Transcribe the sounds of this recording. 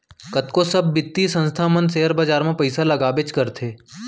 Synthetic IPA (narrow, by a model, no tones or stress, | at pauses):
kɐt̪kosɐbːɪt̪ːisɐ̃nst̪ʰamə̃nseːəɾbɐd͡ʒaːɾmẽpɐɪsalɐɡaːbet͡ʃkɐɾt̪ʰeː